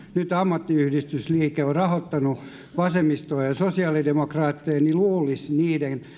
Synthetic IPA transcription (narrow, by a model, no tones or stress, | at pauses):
nyt̪ɑmːɑt̪ːiyhdist̪ysliːkeorɑhot̪ːɑnu | ʋɑsemist̪oːjɑsosiɑlidemokrɑːt̪ːeːniluːlisniːden